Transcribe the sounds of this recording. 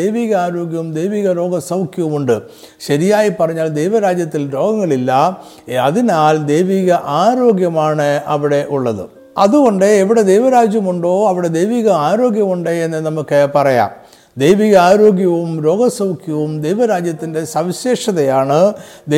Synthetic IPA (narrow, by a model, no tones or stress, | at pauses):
ejʋiːɣɐaːɾo̞ːɡjɐʋumd̪e̞jʋiːɣɐɾo̞ːɡɐsɐwkjɐʋumuɳɖɨ | ɕɐɾijaːjipːɐrɐɲːaːld̪e̞jʋɐɾaːd͡ʑjɐt̪ːilɾo̞ːɡɐŋːɐɭilːɐ | ɐðinaːld̪e̞jʋiːɣɐʔaːɾo̞ːɡjɐmaːɳɨɐʋiɽe̞ʔuɭːɐðɨ̰ | ɐðuɣo̞ɳɖɨeʋiɽe̞d̪ejʋɐɾaːd͡ʑjɐmuɳɖo̞ːɐʋiɽe̞d̪e̞jʋiːɣɐaːɾo̞ːɡjɐmuɳɖeenːenɐmukːepɐrɐja̰ːm | d̪e̞jʋiːɣɐaːɾo̞ːɡjɐʋumɾo̞ːɡɐsɐwkjɐʋumd̪e̞jʋɐɾaːd͡ʑjɐt̪ːinde̞sɐʋiɕeːʂɐðɐjaːɳɨd̪